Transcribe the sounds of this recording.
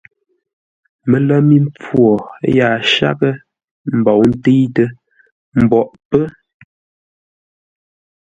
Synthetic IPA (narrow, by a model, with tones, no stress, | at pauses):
mə˨lɛ˦mi˦mp͡fwɔ˨˦jaː˨ʃa̰˦kə˦ | m̩˨bɔ˨wn̩˦te˦jtə˦ | m̩˨bɔ˨ʔpə˦